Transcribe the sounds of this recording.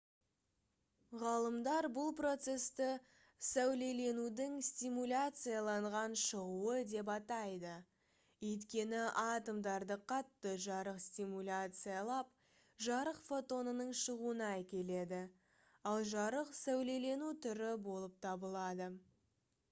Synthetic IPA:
ʁɑlˠəmd̪ɑɾbʊlˠpro̞t̪se̞st̪ɪ | sæwle̞le̞nud̪ɪŋst̪ʲimulʲat̪sɨjalˠɑɴʁɑnʃəʁuəd̪e̞p̬ɑt̪ɑjd̪ə | ɵjt̪kʲe̞nɪʔɑt̪omd̪ɑɾd̪əqʰɑt̪ːəʒɑɾəqst̪imulʲat̪sɨjalˠɑp̚ | ʒɑɾəqfo̞t̪o̞nənəɴʃəʁuənɑækʲe̞le̞d̪ɪ | ɑlˠʒɑɾəqsæwle̞le̞nut̪ʰʏɾɪbo̞lˠəp̚t̪ʰɑbəlˠɑd̪ə

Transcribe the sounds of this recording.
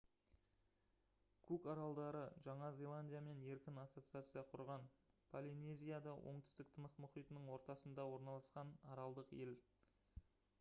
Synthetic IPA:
kʲʰukɑɾɑlˠd̪ɑɾəʒɑɴɑzʲe̞lˠanʲdʲijame̞ne̞ɾkʲɪnasːo̞t̪sɨat̪sɨjɑqʰʊɾʁɑnpʰolʲine̞zʲijad̪ɑwʔo̞̰ɴt̪ʏ̥st̪ɪk̚t̪ʰənəqmʏχijt̪ənəɴwo̞ɾt̪ɑsənd̪ɑwo̞ɾnɑlˠɑsqɑnɑɾɑlˠd̪əqe̞l

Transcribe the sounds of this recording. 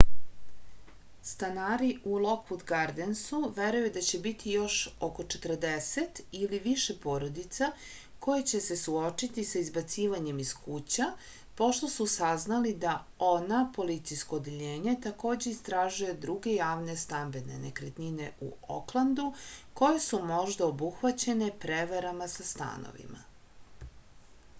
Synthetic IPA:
st̪anaːɾiʔulˠo̞k̚put̪ɡaɾd̪ensuʋeɾujud̪at͡ɕe̞bit̪ʰijo̞ʃoko̞t͡ʃet̪r̩d̪ese̞t̪iliʋiʃe̞po̞ːɾo̞d̪it̪sa | ko̞jet͡ɕe̞se̞suo̞t͡ʃit̪isaizbat̪siːʋaɲe̞miskut͡ɕa | po̞ʃt̪o̞susaznalid̪a | o̞napo̞lit̪sijsko̞ːd̪eʎe̞ːɲe̞t̪ako̞ːd͡ʑe̞ist̪ɾaːʒuje̞d̪ɾuɡe̞jaːʋne̞st̪ambe̞ne̞nekɾet̪nine̞ʔṵo̰klˠand̪uko̞jesumo̞ʒd̪aobuxʋat͡ɕe̞ne̞pɾeʋaɾamasast̪a̰no̰ʋḭma̰

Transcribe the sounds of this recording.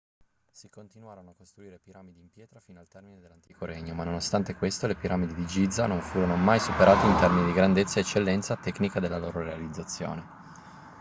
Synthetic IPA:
sikont̪inwaːɾonoakːost̪ɾuiːɾepiɾamid̪iːmpjɛːt̪ɾafinoalt̪ɛrmined̪elːant̪iːkoɾɛɲːomanːonost̪ant̪ekwest̪olepiɾamid̪id̪id͡ʒid̪zanoɱfuːɾonomajsupeɾʔaːt̪eint̪ɛrminid̪iɡɾand̪et̪sːaeːt͡ʃːelːɛnt̪sat̪ɛknikad̪elːaloːɾoɾealid̪zːat̪sːjo̰ːne

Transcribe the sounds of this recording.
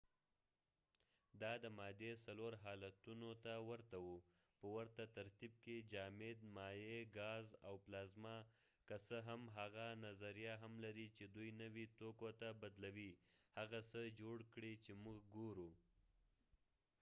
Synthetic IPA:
d̪ɑd̪əmɑd̪esaloɾɦɑlat̪unot̪awəɾt̪awu | pəwəɾt̪at̪aɾt̪ib̚ked͡ʒɑmed̪mɑjeɡɑzawplɑzmɑ | kəsəɦamɦaɣanazaɾijaɦamlaɾit͡ʃed̪ujnəwit̪okot̪abad̪lawihaɣasəd͡ʒoɽkɽit͡ʃemuɡɡoɾu

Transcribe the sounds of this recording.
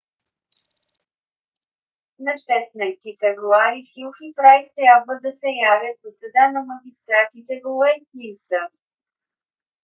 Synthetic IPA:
nɐʃɛt̪najst̪ifɛvɾuaɾifilxipɾajst̪ɾʲjabvəd̪ɐsɛjavʲjət̪̚vosɐd̪anɐmɐɡʲist̪ɾat̪it̪ɛɡolɛst̪nʲist̪a

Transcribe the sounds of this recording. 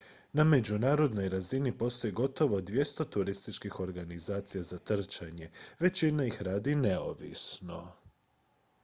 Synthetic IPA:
name̞d͡ʑunaːɾo̞d̪no̞jɾazinipo̞st̪o̞jiɡo̞t̪o̞ʋo̞d̪ʋje̞st̪o̞t̪uɾist̪it͡ʃkixo̞ɾɡanizaːt̪sijazat̪r̩t͡ʃaɲe̞ʋe̞t͡ɕinaixɾaːd̪ine̞o̰ʋḭsno̞

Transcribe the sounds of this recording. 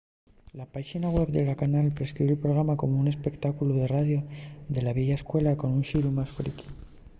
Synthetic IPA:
lapaxinaɣwe̞βðelakanalpɾe̞skɾiβelpɾo̞ɣ̞ɾamako̞moune̞spe̞kt̪akuluðe̞raðjoðe̞laβjeʝaeskwe̞lako̞nunʃiɾumasfɾḭki̥

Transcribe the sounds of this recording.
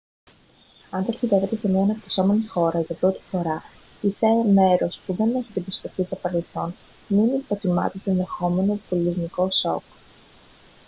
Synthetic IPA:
ɐnt̪ɐksiðeve̞t̪e̞se̞miɐenɐpt̪iso̞me̞nixo̞ɾɐʝɐpɾo̞t̪i̥fo̞ɾɐ | iseme̞ɾo̞spuðe̞ne̞çit̪ibispotizɐpɐnelθo̞n | minipot̪imɐ̰t̪ot̪oenðe̞xo̞me̞not̪oliɾniko̞so̞̰k

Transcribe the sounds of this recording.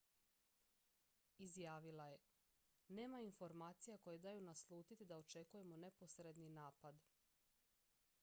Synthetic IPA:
izjaːʋilˠaje̞ | ne̞ːmainfo̞ɾmaːt̪sijako̞jed̪ajunaslˠuːt̪it̪id̪ao̞t͡ʃe̞kuje̞mo̞ne̞po̞sɾed̪ninaːpad̪

